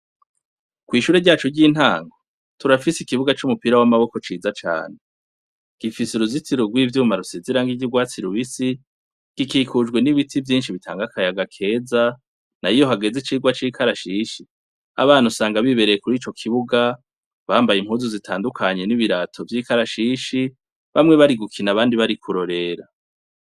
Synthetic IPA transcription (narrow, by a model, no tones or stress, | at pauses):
kwiːʃuːɾeɟaːt͡ʃoɟɟiːn̥haːŋɡo | tuɾafisikiβuɡat͡ʃumupiɾawamaβo̞ko̞t͡ʃiːzat͡ʃa̰ːn̥e | ɡ̥ifiseɾuzit͡siɾuɡwiːvjumaɾuseziɾaŋɡiɟiɡwaːt͡siɾuβisi | ɡ̥ikiːkʰud͡ʒɡwe̞niβitʰivjiːnʃiβitʰa̰ːŋɡakʰajaɡakʰe̞ːza | naijo̞ɦaɡe̞zit͡ʃiːɡwat͡ʃiːkʰaɾaʃiːʃi | a̰βaːnhusaːŋɡaβiβe̞ɾejekuɾiːt͡ʃo̞kʰiβuɡa | βaːmbajimhuːzuzitʰaːndukʰaɲe̞niβiɾatʰo̞vjiːkaɾaʃiʃi | βamŋe̞βaɾiɡukʰinaβaːndiβaɾikʰuɾo̞ɾe̞ɾa